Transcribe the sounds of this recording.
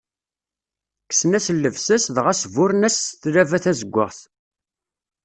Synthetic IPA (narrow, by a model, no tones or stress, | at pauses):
ksnæsəlːəvsæsðʁæsvʊɾnæsθɾævæθæzəɡʷːə̰ʁθ